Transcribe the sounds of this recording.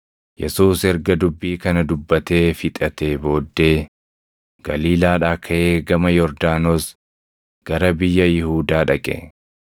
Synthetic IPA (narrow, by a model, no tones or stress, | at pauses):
jɛsuːsɛɾɡɐd̪ʊbːiːkɐnɐd̪ʊbːɐt̪e̞ːfɪt̪ʼɐt̪e̞ːbo̞ːd̪ːe̞ː | ɡ̥ɐliːlaːᶑaːkʰɐʔe̞ːɡɐmɐjɔɾd̪aːnoːs | ɡ̥ɐɾɐbɪjːɐjɪhuːd̪aːᶑɐkʼɛ̰